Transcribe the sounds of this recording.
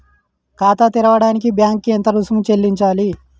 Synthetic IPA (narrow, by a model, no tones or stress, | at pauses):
kaːt̪at̪iɾɐʋɐɽaːnik̬ibjaːŋkːent̪ɐɾusumut͡ʃelːiɲt͡ʃaːli